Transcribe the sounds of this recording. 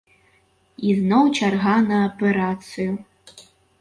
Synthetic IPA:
iznɔwt͡ʃarɣanɐːpɛɾat̪sɨju

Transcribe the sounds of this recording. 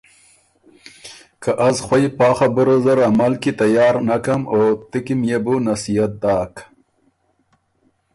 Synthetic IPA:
kaʔazxwajpɑːxabuɾozaɾamalkit̪ajɑːɾnakamoːt̪ikimjebunasijat̪̚d̪ɑːk

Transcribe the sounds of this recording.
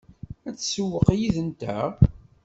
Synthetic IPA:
æt͡sːsəwːəqajiðənt̪æ̰

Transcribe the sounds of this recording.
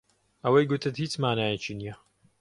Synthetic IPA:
ɐwɐjɡʊt̪ʰɨt̪hiːt͡smaːnaːjɛt͡ʃiːnijɐ

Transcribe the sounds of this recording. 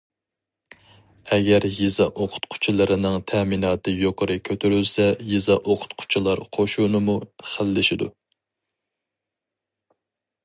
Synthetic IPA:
ɛɡʲɛɾjizɑʔoqʰʊ̥t̪qʰʊ̥t͡ʃʰilˠɨɾɨnɨŋt̪ʰæminɑːt̪ɨjoqəɾɨkʲʰøt̪ʰyɾylsɛjizɑʔoqʰʊ̥t̪qʰʊ̥t͡ʃʰilˠɑɾqʰoʃunɨmuχəlːɪʃɪd̪u

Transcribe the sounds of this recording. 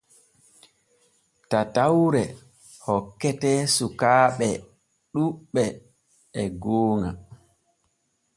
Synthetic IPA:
tatawɾɛ | hɔkːɛtɛsukaːɓɛ | ɗuɓɛ | ɛɡoːŋa̰

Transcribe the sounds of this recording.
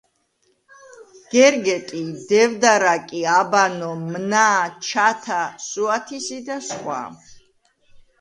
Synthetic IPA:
ɡ̥ɛɾɡɛt̪ʼid̪ɛvd̪aɾakʼiabanɔmnat͡ʃʰat̪ʰasuat̪ʰisid̪asχwa̰

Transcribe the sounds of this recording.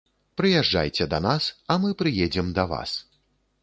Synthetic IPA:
pɾɨjaʐd͡ʐa̰jt͡sʲɛd̪ɐnasɐmɨpɾɨjɛd͡zʲɛmd̪ɐva̰s

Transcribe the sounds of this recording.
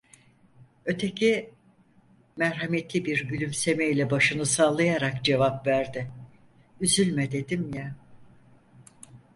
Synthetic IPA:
ø̞t̪ʰe̞cʰi | mɛɾɦamet̪lʲibiɾɟylʲymse̞meilʲɛbaʃɯnɯsaːlˠajaɾakd͡ʒe̞vapvæɾd̪ɪ | yzylʲmɛd̪e̞d̪imjɛ

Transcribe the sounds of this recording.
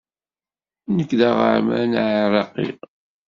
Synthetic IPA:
nəkːðaʁə̰ʕmænʕaɾˤɑqḭ

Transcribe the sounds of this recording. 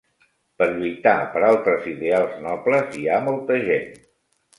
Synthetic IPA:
pəɾʎujt̪apəɾalˠt̪ɾəziðealˠznɔpləziamɔlˠt̪əʒen

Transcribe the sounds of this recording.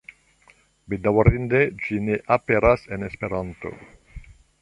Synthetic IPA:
bed̪awaɾind̪ed͡ʒineʔapeɾasenespeɾant̪o̰

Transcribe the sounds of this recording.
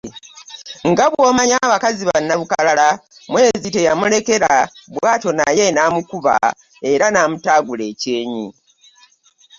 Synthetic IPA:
ŋɡaβwo̞ːmaɲaːβakaziβanːaβukalalamwe̞ːzite̞jamule̞ke̞ɾaβwaːto̞naje̞naːmukuβa̰ | e̞ɾanaːmutaːɡule̞ːce̞ːɲḭ

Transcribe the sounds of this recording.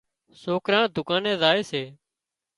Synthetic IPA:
soːkɾãːd̪ʱʊkãːnɛ̃ːzaːeːseː

